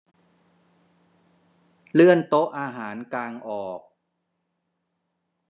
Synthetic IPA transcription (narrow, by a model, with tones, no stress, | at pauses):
lɯ˥˩ənt̪o˦˥ʔaː˧ɦaː˩˦nkaː˧ŋʔɔː˨˩k̚